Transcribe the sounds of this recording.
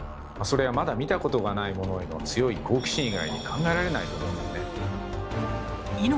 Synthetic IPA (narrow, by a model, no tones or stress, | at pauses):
maso̞ɾe̞βamad̪amʲit̪ako̞t̪o̞ɡanaimo̞no̞eno̞t͡sɨjo̞iko̞ːkʲi̥ɕĩɰ̃iɡaiɲ̟ikʰãŋɡaeɾaɾe̞nait̪o̞mõ̞ːnd̪esne | in